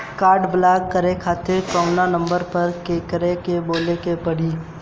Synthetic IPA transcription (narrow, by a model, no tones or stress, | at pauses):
kaːɾɖblaːkːəɾekʰaːt̪ɪɾkɔʊnanə̃mbəɾpɐɾkeːkəɾekeboːlekepɐɽiː